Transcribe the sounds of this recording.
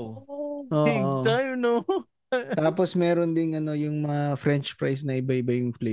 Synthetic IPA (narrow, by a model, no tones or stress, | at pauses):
ʔoːʔot̪ajno | t̪aːposmɛːɾond̪ɪŋɐno̞jʊŋmɐŋɐfɾɛnt͡ʃpɹajs̬nɐʔɪbaɪbɐjʊŋfle